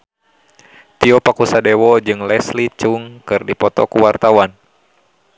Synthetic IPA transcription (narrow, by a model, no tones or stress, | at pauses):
t̪iɔpakusadɛwɔd͡ʒɨŋlɛslit͡ʃuŋkɨrdipɔt̪ɔkuwart̪awan